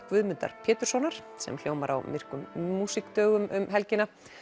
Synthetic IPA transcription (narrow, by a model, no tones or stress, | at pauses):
kvʏðmʏnt̪a̰ɾ̥pʰɛːt̪ʏɾ̥sɔnaɾ̥ | sɛ̰ml̥joːwmaɾa̰wmɪr̥kʏmːuːsikt̪œːɣʏmʏmɦɛlcɪnːa